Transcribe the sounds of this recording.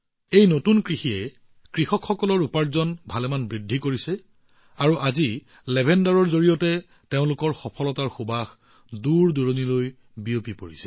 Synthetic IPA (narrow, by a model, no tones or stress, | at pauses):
ejnotunkɹixiɛ | kɹixɔkʰxɔkɔlɔɹupaɹzɔnbʱalɛmanbɹidʱːikoɹisɛ | aɹuʔazi | lɛbʱɛndaɹɔɹzoɹijɔtɛ | teʊ̃lʊkɔɹxɔpʰɔlɔtaɹxobax | duɹduɹoniloj | biopipoɹisɛ̥